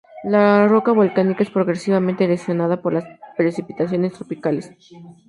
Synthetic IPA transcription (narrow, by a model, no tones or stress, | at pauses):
laro̞kaβo̞lkanikae̞spɾo̞ɣɾesiβamẽnt̪elesjo̞nað̞apo̞ɾlaspɾesipit̪as̬jo̞ne̞st̪ɾo̞pikale̞s